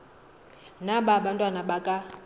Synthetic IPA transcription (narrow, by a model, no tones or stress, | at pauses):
naɓaɓantʼwanaɓakʼa